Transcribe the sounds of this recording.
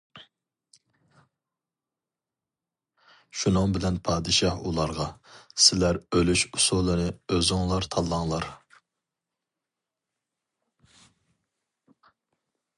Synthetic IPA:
ʃunɨŋbɪlɛnpʰɑːd̪ɨʃɑhṵlˠɑɾʁɑsɪlæɾølyʃusulˠɨnɨøzʊŋlˠɑɾt̪ʰɑlˠːɑŋlˠɑɾ

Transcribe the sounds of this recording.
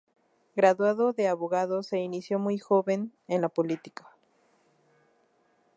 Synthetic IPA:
ɡɾaðwaðo̞ðe̞aβo̞ɣaðose̞inisjo̞mujxo̞βe̞nenlapolit̪i̥kḁ

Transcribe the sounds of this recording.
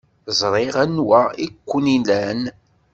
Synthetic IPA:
zˤɾˤeʁænwæikʷːənilæn

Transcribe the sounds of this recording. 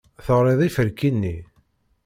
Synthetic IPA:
θəʁɾɪðˤifəɾkinːi

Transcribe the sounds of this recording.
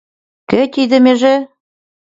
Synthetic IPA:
kɘ̆t̪id̪ɘ̆mĕʒĕ

